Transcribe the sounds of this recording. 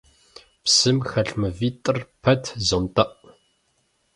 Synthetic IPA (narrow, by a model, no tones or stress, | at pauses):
psɨmxɐɬmɨviːtʼɨrpʰɐtʰzɨntʼɐʔ